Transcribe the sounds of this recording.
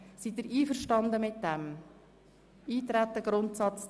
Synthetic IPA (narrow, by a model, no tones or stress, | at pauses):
sit̪iɾiːfəɾʃtɑndəmɪt̚dɛm | iːt̪ɾæt̪əɡɾʊntsɑt͡s